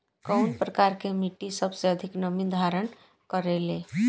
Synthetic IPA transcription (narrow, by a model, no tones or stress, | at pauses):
kəʊnpɾəkaɾkemiʈːisəbʱseəd̪ʱiknəmid̪ʱaɾən | kəɾele